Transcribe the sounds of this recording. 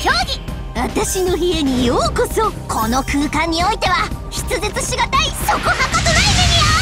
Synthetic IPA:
çʲoːɡʲi | βat̪aɕino̞çie̞ɲ̟ijoːkoso̞kʰo̞no̞kɯ̟ːkãɲ̟ːio̞it̪e̞βaçi̥t͡sɨzet͡sɨɕiɡat̪aisokohakat̪onaizenʲija

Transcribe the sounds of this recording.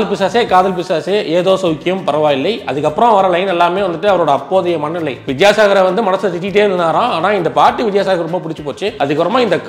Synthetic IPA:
ɐlpɪsaːseːkaːðɐlpɪsaːseːʔeːðoːsɐʊkːɪjɐmpɐɾɐʋaːɪlːɐɪɐðɯkːɐpːɯɾõʋɐɾɐlɐɪnɛlːaːmeːʋɐnd̪ɯʈːɯɐʋɐɾoːɽɐɐpːoːðɐjɐmɐnːɪlːɐɪʋɪt̪jaːsaːɣɐɾɐʋɐnd̪ɯmɐnɐsɯɐsɪʈːɪʈ̬ːeːʋɐnd̪ɯnaːɾãːaːnãːɪnd̪ɐpaːʈːɯʋɪt̪jaːsaːɣɐɾɾɔmbapʊɽɪt͡ʃːɯpoːt͡ʃːɯɐðɯkːɯɾɔmːaːɪnd̪ɐk

